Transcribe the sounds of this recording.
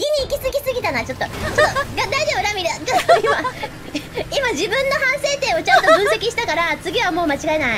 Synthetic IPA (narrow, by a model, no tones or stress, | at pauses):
ɡʲiɲ̟iːkʲisɨɡʲisɨɡʲit̪anat͡ɕo̞t̪ːo̞t͡ɕot̪ːoɡad̪aid͡ʑebɯ̟ɾamʲiɾet͡ɕooima | imaʑibɯ̟̃nːo̞hãɰ̃se̞ːt̪e̞ːo̞t͡ɕãnt̪obɯ̟ɰ̃se̞kʲiɕi̥t̪akaɾat͡sɨɡʲiβamo̞ːmat͡ɕiɡaenai